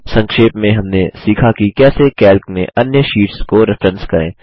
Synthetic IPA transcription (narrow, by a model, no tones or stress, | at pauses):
sɐ̃ŋkʃeːpmẽɦɐmnesiːkʰakikɛːsekɛːlkmẽʔɐnjəʃiːʈskoɾɪfɾə̃nskɐɾḛ̃ː